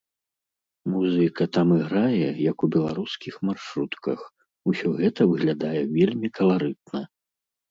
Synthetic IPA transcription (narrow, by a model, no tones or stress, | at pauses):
muzɨkɐt̪amɨɣɾajɛjɐkubʲɛlˠa̰ɾuskʲixmarʂɾut̪kɐ̰x | usʲɔɣɛt̪ɐvɨɣlʲad̪ajɛvʲelʲmʲikʰɐlˠaɾɨt̪̚nɐ